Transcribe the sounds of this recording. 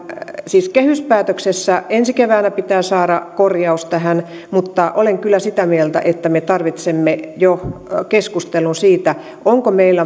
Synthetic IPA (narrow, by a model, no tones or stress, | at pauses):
siːskehyspæːt̪øksesːæensikeʋæːnæpit̪æːsɑːɾɑkorjɑust̪æhæn | mut̪ːɑʔoleŋkylˑːæsit̪æmielt̪æ̰ʔet̪ːæmet̪ɑrʋit̪semːejokeskust̪elˑunsiːt̪æ | ʔoŋkomeilːæ